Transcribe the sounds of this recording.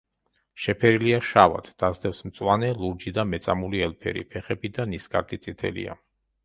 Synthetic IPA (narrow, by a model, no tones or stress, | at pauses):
ʃɛpʰɛɾiliaʃava̰t̪ʰd̪̥azd̪ɛfsmt̪sʼwanɛlˠuɾd͡ʒid̪amɛt̪sʼamuliɛlpʰɛ̰ɾḭpʰɛχɛbid̪anisɡa̰ɾd̪ʰʼit̪sʼit̪ʰɛ̰lḭa̰